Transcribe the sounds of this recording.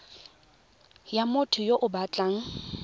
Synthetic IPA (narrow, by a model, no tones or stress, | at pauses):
jamʊtʰʊjoʔʊbat͡ɬʼaŋ̩